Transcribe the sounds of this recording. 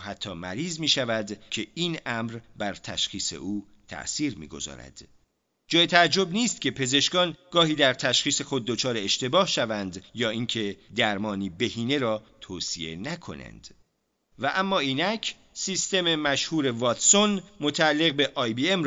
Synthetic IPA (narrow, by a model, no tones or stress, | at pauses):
hæt̪ʰːɒːmæ̰ɾiːzmiːʃævæd̪cʰe̞iːnæmɾbæɾt̪ʰæʃχiːse̞̰ʔuː | t̪ʰæ̰ʔsiːɾmḭːɡo̞̰zɒ̰ːɾæ̰d̪̥ | d͡ʒɒːjet̪ʰææd͡ʒːo̞bniːst̪̚cʰe̞pʰe̞ze̞ʃkɒːnɡɒːɦiːd̪æɾt̪ʰæʃχiːse̞xo̞d̪̚ːo̞t͡ʃʰɒːɾe̞eʃt̪e̞bɒːhʃævænd̪jɒːiŋcʰe̞d̪æɾmɒːniːbe̞hiːne̞ɾɒːt̪ʰoːsie̞nækʰo̞̰næ̰nd̪̥ | væʔæmːɒːiːnæcʰ | siːst̪e̞memæʃhuːɾe̞vɒːt̪so̞nmot̪ʰæælːe̞ɣbe̞ʔɒːjbiem